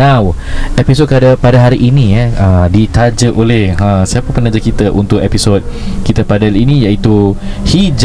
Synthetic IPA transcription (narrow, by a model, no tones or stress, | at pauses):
awɛpisot̚kəadapadaɦaɾiʔːnijaədit̪ad͡ʒəʔolɛhəsaapənpənad͡ʒəkit̪əʔunt̪ʊʔ̚ɛpisot̪̚kit̪əpadalinijaʔit̪uhid͡ʒ